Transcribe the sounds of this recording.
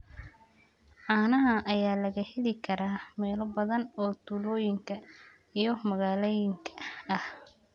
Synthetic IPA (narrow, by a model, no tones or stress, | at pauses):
ʕaːnɐɦɐʔɐjaːlɐɣɐhɛlɪkʰɐɾaːmɛːlɔbɐðɐnɔːt̪ʰuːlɔːjɪŋkʰɐ | ijɔmɐɣaːlɛjɪŋkʰɐɐh